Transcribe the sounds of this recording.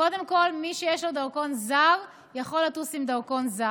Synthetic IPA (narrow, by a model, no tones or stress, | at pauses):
o̞de̞mko̞lmiʃejeʃlodaʁko̞nzaʁ | jaχo̞latusimdaʁko̞nza